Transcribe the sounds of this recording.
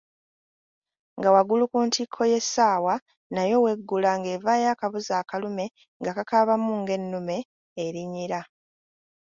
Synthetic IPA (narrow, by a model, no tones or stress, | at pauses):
ŋɡawaɡulukuːntʰikʰːo̞je̞sːaːwa | najo̞we̞ɡːulaŋɡe̞ːvaːjaːkaβuzaːkalume̞ | ŋɡakakaβamuŋɡe̞nːume̞ː | ɾiɲiɾa